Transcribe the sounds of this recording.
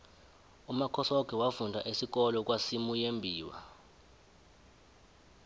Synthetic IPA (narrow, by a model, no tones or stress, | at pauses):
umakʰɔsɔɡ̥ʱɛwafundʱa̰ʔisik̬ɔlɔk̬wasimujembʱiːwa̰